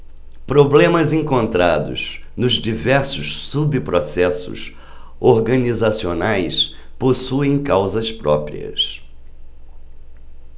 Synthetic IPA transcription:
pɾoblẽmɐzẽŋkõnt̪ɾad̪ʊ̰znʊzd͡ʒivɛɾsʊʃsubipɾosɛsʊ̰s | oɾɡɐnizasionajs | posuẽj̃kawzɐspɾɔpɾḭɐ̰s

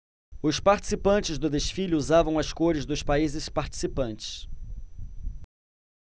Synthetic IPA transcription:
ʊspaɾt͡ʃi̥sipɐ̃nt͡ʃɪzd̪ʊd̪eʃfilʊuzavɐ̃w̃ɐskoɾɪzd̪ʊspaizɪspaɾt͡ʃi̥sipɐ̃nt͡ʃɪ̥s

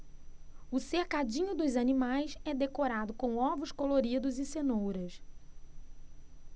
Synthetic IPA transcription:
ʊsehkad͡ʒĩɲʊd̪ʊzɐnimajsɛd̪ekoɾad̪ʊkõw̃ɔvʊskoloɾid̪ʊzɪsenowɾɐs

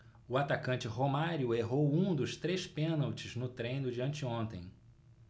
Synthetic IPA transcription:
ʊat̪akɐ̃nt͡ʃɪɦomaɾjʊeɦowũd̪ʊst̪ɾespẽnawt͡ʃɪznʊt̪ɾẽj̃nʊd͡ʒiɐ̃nt͡ʃɪõnt̪ḛ̃j̃

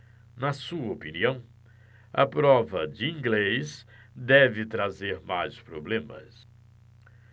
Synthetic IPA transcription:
nɐsuɐopiniɐ̃w̃ | ɐ̰pɾɔvɐd͡ʒɪĩŋɡlejs | d̪ɛvɪt̪ɾazeɾmajspɾoblẽmɐ̰s

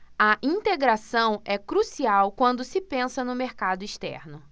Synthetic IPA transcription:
ɐʔĩnt̪eɡɾasɐ̃w̃ɛkɾusiawkwɐ̃nd̪ʊsɪpẽsɐnʊmeɾkad̪ʊiʃt̪ɛ̰ɾnʊ

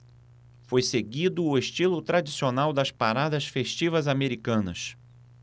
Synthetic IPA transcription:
fojseɡid̪ʊːeʃt͡ʃilʊt̪ɾad͡ʒisionawd̪ɐspaɾad̪ɐsfeʃt͡ʃivɐzameɾikɐ̃nɐ̰s

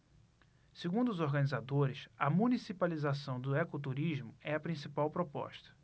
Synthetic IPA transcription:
seɡũnd̪ʊːzoɾɡɐ̃nizad̪oɾɪsɐmũnisipalizasɐ̃w̃d̪ʊɛkot̪uɾiʒmʊɛɐpɾĩsipawpɾopɔ̰ʃt̪ɐ̥

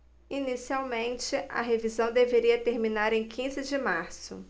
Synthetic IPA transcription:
inisiawmẽnt͡ʃɪʔɐ̰ɦevizɐ̃w̃d̪eveɾiɐt̪eɾmĩnaɾẽj̃kʰĩzɪd͡ʒɪmaɾsʊ̰

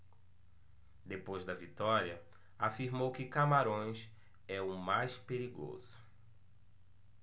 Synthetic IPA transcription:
d̪epojzd̪ɐvit̪ɔɾiɐ | afiɾmowkɪkamaɾõj̃s | ɛʊmajspeɾiɡo̰zʊ

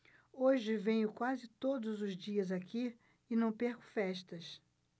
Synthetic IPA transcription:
oʒɪvẽɲʊkwazɪt̪od̪ʊzʊzd͡ʒiɐzaki | ɪnɐ̃w̃peɾkʊ̥fɛʃt̪ɐs

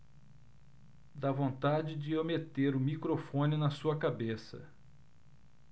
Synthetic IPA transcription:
d̪avõnt̪ad͡ʒɪd͡ʒɪowmet̪eɾʊmikɾofõnɪnɐsuɐkabesɐ̰

